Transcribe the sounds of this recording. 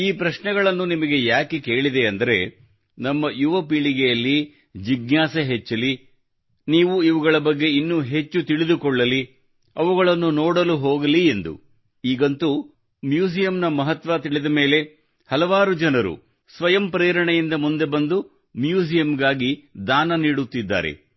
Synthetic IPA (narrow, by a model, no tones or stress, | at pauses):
iːpɾɐʃɳɛɡɐɭɐnːunimɐɡe̞jaːkeke̞ːɭid̪eɐnd̪ɐɾe̞ | nɐmːɐjuʋɐpiɭiɡejɐlːi | d͡ʒiɡnaːsɐɦet͡ʃːɐli | niːʋuiʋuɡɐɭɐbɐɡːe̞inːuɦe̞t͡ʃːut̪iɭid̪ukɔɭːɐli | ɐʋuɡɐɭɐnːunɔːɽɐluɦoɔːɡɐliend̪ṵ | iːɡɐnt̪u | mjuːsijɐmnɐmɐɦɐt̪ʋat̪iɭid̪ɐme̞ːle̞ | hɐlɐʋaːɾud͡ʒɐnɐɾṵ | sʋɐjɐmpɾeːɾɐɳejind̪ɐmund̪e̞bɐnd̪u | mjuːsijɐmɡaːɡid̪aːnɐniːɽut̪ːid̪ːa̰ːɾe̞̰